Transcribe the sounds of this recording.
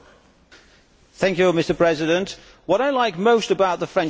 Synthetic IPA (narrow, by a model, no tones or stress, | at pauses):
θæ̃ŋkjʉmɪstəpʰɹ̥ɛzɪdə̃nʔ | wɒɾaɪlaɪk̚moʊstəbaʊʔ̪̚ðəfɹɛ̃n